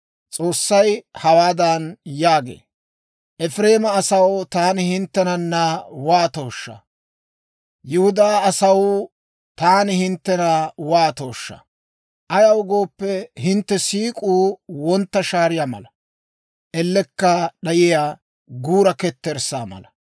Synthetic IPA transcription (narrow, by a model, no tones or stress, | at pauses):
t͡sʼo̞ːsːɐjhɐwaːd̪ɐnjaːɡḛː | ʔɛfɾe̞ːmɐːsɐwt̪aːnɪhɪnt̪ːɛnɐnːɐwaːt̪oːʃːɐ̰ | jɪhʊd̪aːɐsɐw | t̪aːnɪhɪnt̪ːɛnɐwaːt̪oːʃːɐ̰ | ʔɐjɐwʊɡoːpːɛhɪnt̪ːɛsiːkʼuːwɔnt̪ːɐʃaːɾɪjaːmɐ̰lɐ | ʔɛlːɛkːɐɗɐjɪjaː | ɡuːɾɐkɛt̪ːɛɾsaːmɐ̰lɐ